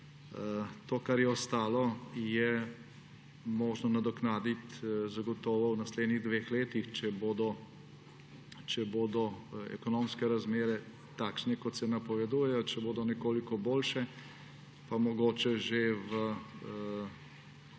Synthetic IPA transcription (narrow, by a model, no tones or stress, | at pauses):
t̪oːkaɾjɛɔst̪aːlɔjɛ | moːʒnɔnad̪ɔknaːd̪it̪zaɡɔt̪ɔːʋɔwnasleːd̪niɣd̪ʋeːxleːt̪ixt͡ʃɛboːd̪ɔ | t͡ʃɛboːd̪ɔɛ̰kɔnoːmskɛɾazmeːɾɛ | t̪aːkʃnɛkɔt̪sɛnapɔʋɛd̪uːjɛjɔt͡ʃɛboːd̪ɔnɛkoːlikɔboːlʃɛ | pamɔɡoːt͡ʃɛʒeʋə